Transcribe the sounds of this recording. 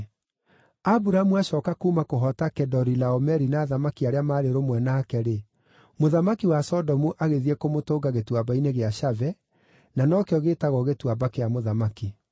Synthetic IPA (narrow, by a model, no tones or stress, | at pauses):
abuɾamuaɕɔːkakuːmakoɦɔtakɛdɔɾilaɔmɛɾinaːðamakiaɾeamaːɾeɾomwɛnaːkɛɾe | moðamakiwasɔdɔmuʔaɣeðiɛkomotoːɡaɣetwabaineɣeaʃavɛ | nanɔkeɔɣeːtaɣɔɣetwabakeamoðamaki